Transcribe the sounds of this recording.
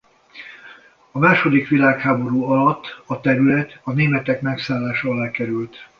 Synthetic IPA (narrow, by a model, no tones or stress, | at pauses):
ɒmaːʃo̞d̪ikʋilaːkhaːbo̞ɾuːɒlɒt̪ːɒt̪ɛɾylɛt̪ɒneːmɛt̪ɛkmɛksaːlːaːʃɒɒlaːkɛɾylt̪